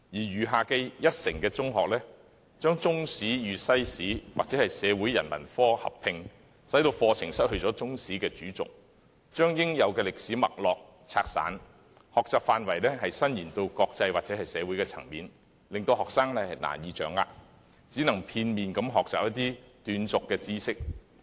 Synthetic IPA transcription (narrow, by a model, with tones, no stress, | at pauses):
jiː˨˩jyː˨˩ɦaː˨kɛ˧jɐ˥t̚sɪ˨˩ŋkɛː˧t͡sʊ˥ŋɦɔ̰ː˨k̚lɛː˥ | t͡ʃœː˥ŋt͡sʊ˥ŋsiː˨˥jyː˨˧sɐ˥jsiː˨˥wa̰ː˨k̚t͡sɛː˨˥hɐ˨jsɛː˨˧wuː˨˥jɐ̰˨˩nmɐ̰˨˩nfɔː˥hɐ̰˨˩pʰːɪ˧ŋ | sɐ˨˥jt̪o˧wfɔː˧t͡sʰɪ˨˩ŋsɐ˥t̚hɵ˧ɥt͡sɔː˨˥t͡sʊ˥ŋsiː˨˥kɛː˧t͡ʃyː˨˥t͡sʊ̰˨k̚ | t͡ʃœː˥ŋjɪ˥ŋjɐ˨˧wkɛː˧lɪ˨k̚siː˨˥mɐ̰˨k̚lɔː˨k̚ | t͡sʰaː˧k̚sa̰ː˨˥n | hɔː˨k̚t͡saː˨p̚faː˨nwɐ˨˩jlɛː˥ɦɐ˨jsɐ˥njiː˨˩nt̪o˧wkɔː˧k̚t͡sɐ˧jwaː˨k̚t͡sɛ˨˥hɐ˨jsɛː˨˧wu˨˥jkɛː˧t͡sʰɐ̰˨˩ŋmiː˨n | lɪ˨ŋt̪o˧whɔː˨k̚saː˥ŋlɛ˥hɐ˨jna̰ː˨˩njiː˨˧t͡ʃœː˨˥ŋa̰ː˧k | t͡siː˨˥nɐ˨˩ŋpʰiː˧nmiː˨nkɐ˨˧˥mɦɔː˨k̚t͡saː˨p̚jɐ˥t̪iː˥t̪yː˨˧nt͡sʊ˨kːɛː˧t͡siː˥sɪ˥k̚